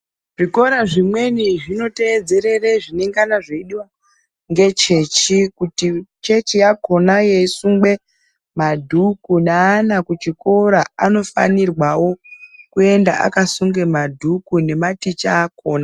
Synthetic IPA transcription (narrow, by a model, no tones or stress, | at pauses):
ʐiko̞ɾaʐimwe̞niʐino̞te̞ːd͡ze̞ɾe̞reʐineŋɡanaʐeiɗiwa | ŋɡe̞t͡ʃe̞t͡ʃikutit͡ʃe̞t͡ʃijako̞najeisuŋɡwe̞ | madʱukunaːnakut͡ʃiko̞ɾaano̞fa̰nirwawo̞kue̞ndaʔa̰kasuŋɡe̞madʱukune̞matit͡ʃaːko̞ːna